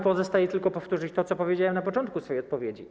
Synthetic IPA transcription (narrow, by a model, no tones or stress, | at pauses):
pɔzɔst̪ajɛt̪ɘlkɔpɔft̪uʐɘt͡ɕt̪ɔt̪sɔpɔvʲjed͡ʑawɛmnapɔt͡ʂɔnt̪̚kusfɔjɔt̪̚pɔvʲjed͡ʑḭ